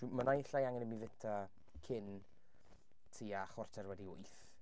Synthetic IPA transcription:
d̥wmənajɬajaŋɛnəmivɪtʰa | kʰɪn | tʰiaχɔrtʰɛrwɛdiɔ | θ

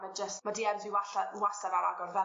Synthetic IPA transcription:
məd͡ʒəstmadiːɛnziwaɬawasaɾaɾa̰ɡɔrvɛ

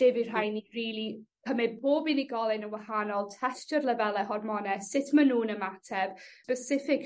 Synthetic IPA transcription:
d̥ɪvir̥ajniriːlˠipʰəmɪboːbiniɡɔlˠɪnənwahanɔlˠtʰɛstərlˠəvɛlˠɛhɔrmɔnɛssɪtʰmanuːnəmatʰɛv̥pəsɪfɪk

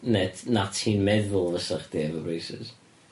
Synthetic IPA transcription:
nɛtnatʰhiːnmɛðʊlˠvəsəχd̥iɛvɔbrejsɪ̰z̥

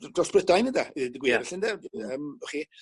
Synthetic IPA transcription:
drɔsb̥rədajnəndaidɡwiɾɛɬəndaəːmɔχi

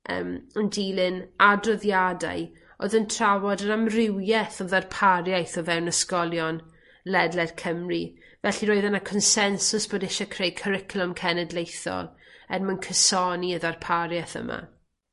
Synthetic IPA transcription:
ə̰məndiːlɪnadrɔðjada̰j | o̰ːðəntʰrawɔdənamrɪwjɛθɔðarpʰaɾjajθɔvɛwnəskɔlˠjɔn | lɛdlɛð̥kʰəmri | vɛɬiɾoɨðənakʰɔnsɛnsʊsb̥oːdɪʃɔkʰrejkʰəɾɪkʰlˠɔmkʰɛnɛdlejθɔ̰lˠ | ɛ̰nmənkʰəsɔniəðarpʰaɾjɛθə̰mʔa̰

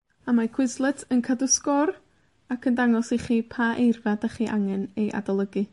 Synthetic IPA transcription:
amakʰw̥ɪzlˠɨtʰənkʰadʊskɔr | akʰəndaŋɔsiχiːpʰaʔejrvadaχiːʔaŋɛnejʔa̰dalˠəɡɨ

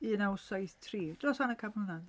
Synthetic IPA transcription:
iənaʊsajθtʰriːd̥rɔshanəkʰabunan

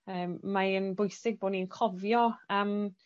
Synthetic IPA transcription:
əːmːaənbʊjsɪɡ̚boːdniənkʰɔvjɔam

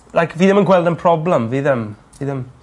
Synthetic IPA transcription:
lajkʰviːðɛmənɡwɛlˠdənpʰr̥ɔblɛmviːðɛmviːðɛm

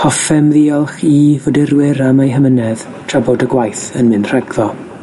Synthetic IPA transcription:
hɔfɛmðiːɔlˠχivodɪɾwɪɾamajɦəmənɛð | tʰr̥abodəɡwajθənmɪnr̥ɛɡðɔ

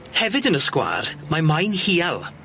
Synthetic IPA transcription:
hɛvɨdənəskwa̰ːrmamajnhiːalˠ

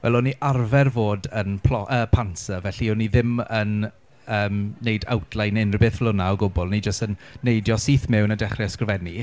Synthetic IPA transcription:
vɛlˠɔniʔarvɛrvoːdənpʰlɔʔəːpʰansəvɛɬiɔniðɪmən | əːmːejda̰wtʰlˠajnɪnrɪbeːθvlˠʊnaɔɡʊbɔlˠnid͡ʒəstənːejdjɔsiːθmɛwnadɛχrɛskrəvɛni

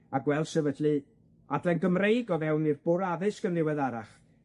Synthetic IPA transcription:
aɡwɛlˠd̥sɛvədlɨ | adlˠɛnɡəmrejɡɔvɛwnirb̥ʊɾaðɨskənðɪwɛðaɾa̰χ

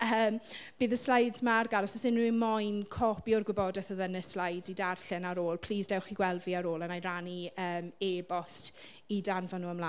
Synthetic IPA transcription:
əːmb̥iːðəslajdzmarɡalˠɔsɔsɪnrumɔjnkʰɔpjɔrɡwɪbɔdɛθəðənəslajdz̥idarɬɪnaɾoːlˠpʰl̥iːzdɛwχiɡwɛlˠdviːaɾoːlənajraniəːmeːbɔst | idanvanuːəmlˠa

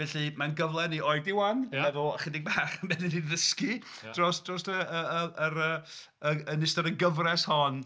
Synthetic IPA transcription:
vɛɬimanɡəvlˠɛniʔɔjdɪwannɛvʊχɪdɪɡ̚baːχmɛnɪniðəski | d̥rɔsd̥rɔstəəəʔəɾəː | əənɪstɔɾəɡəvrɛshɔn

